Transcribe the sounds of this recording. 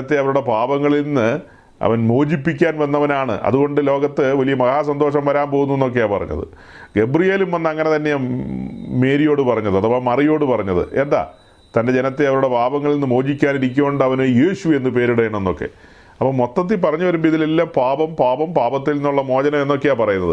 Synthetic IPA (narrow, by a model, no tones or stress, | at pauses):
ɐt̪ːeɐʋɐɾuɽe̞paːbɐŋːɐɭinːɨ | ɐ̰ʋɐnmoːd͡ʑipːik̬ʲːaːnʋɐnːɐʋɐnaːɳɨ̰ʔɐ̰ðuɣo̞ɳɖɨlo̞ːɡɐt̪ːɨʋɐlijɐmɐɣaːsɐnd̪o̞ːʂɐmʋɐɾaːmpoɣunːuenːo̞k̬ːejaːpɐrɐ̰ɲːɐ̰ðɨ̰ | ɡe̞brijeːlumʋɐnːɐŋːɐne̞t̪ɐnːe̞ | me̞ːɾijo̞ːɽɨpɐrɐɲːɐðɨɐðɐpːoːɭmɐrijo̞ːɽɨpɐrɐɲːɐðɨ̰ʔe̞nd̪a̰ː | t̪ɐnde̞d͡ʑe̞nɐt̪ːeɐʋɐɾuɽe̞paːbɐŋːɐɭilinːɨmo̞ːd͡ʑikʲːaːniɾik̬ʲːɐmoɳɖɐʋɐnɨjeːɕue̞nːɨpeːɾuɽɐjɐɳɐme̞nːo̞kːḛ | ɐpːoːmo̞t̪ːɐt̪̬ːipɐrɐɲːuʋɐɾumbiðilelːapaːbɐmpaːbɐmpaːbɐt̪ːilninːuɭːɐmo̞ːd͡ʑɐnɐmenːo̞kːejaːpɐrɐjunːɐðɨ